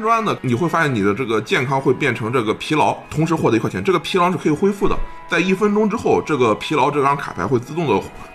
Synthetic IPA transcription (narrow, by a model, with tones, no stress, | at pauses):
nʈ͡ʂwa˥nnə˨ni˨˩xwe˥˧ɪfa˥ɕjɛ˥˩ni˨˩d̪ə˦ʈ͡ʂɤ˥˩ɡə˩t͡ɕjɛ˥˩nkʰɑ˥ŋxwe˥˧ɪpjɛ˥˩nʈ͡ʂʰɤ˧˥ŋʈ͡ʂɤ˥˩ɡə˩pʰi˧˥lɑ˧˥ʊt̪ʰʊ˧˥ŋʂɻ̩˧˥xwɔ˥˩ə˧˥˩ɛ˧˥ʈ͡ʂɤ˥˩ɡə˩pʰi˧˥lɑ˧˥ʊʂɻ̩˥˩kʰɤ˧˥i˨˩xwe˥ɪfu˥˩d̪ə̰˩t͡sa˥˧ɪi˥˩fə˥nʈ͡ʂʊ˥ŋʈ͡ʂɻ̩˥xo˥˩ʊʈ͡ʂɤ˥˩ɡə˩pʰi˧˥lɑ˧˥ʊʈ͡ʂɤ˥˩kʰɑ˥ŋkʰa˨˩pʰa̰˧˥ɪxwɪt͡sɹ̩˥˧t̪ʊ˥˩ŋd̪ə˩˥